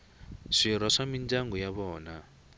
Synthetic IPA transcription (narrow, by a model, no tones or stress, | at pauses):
ʂiɾwaʂamind͡ʒaŋɡɔjaβɔːna